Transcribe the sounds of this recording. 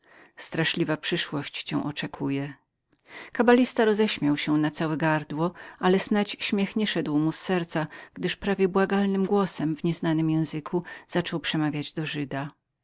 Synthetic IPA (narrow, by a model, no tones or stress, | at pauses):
st̪ɾaʂlʲivapʂɘʂwɔɕt͡ɕt͡ɕɛ̃w̃ʔɔt͡ʂɛkʰujɛ | kabalʲist̪aɾɔzɛɕmʲjawɕɛnat̪sawɛɡaɾd̪wɔalɛsnat͡ɕɕmʲjɛxɲɛʂɛd̪wmusːɛɾt̪saɡ̥d̪ɘʂpɾavʲjɛbwaɡalnɘmɡwɔsɛmvɲɛznanɘmjɛ̃w̃zɘkʰuz̥at͡ʂɔwpʂɛmavʲjad͡ʑd̪ɔʐɘd̪a